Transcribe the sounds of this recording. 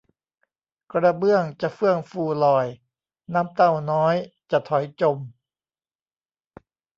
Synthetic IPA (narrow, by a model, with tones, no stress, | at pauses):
kɾa˧bɯ˥˩əŋt͡ɕa˨˩fɯ˥˩əŋfuː˧˩lɔː˨˩j | naː˦˥mt̪a˥˩wnɔː˦˥jt͡ɕa˨˧˩t̪ʰɔ˩˦jt͡ɕo˧˩m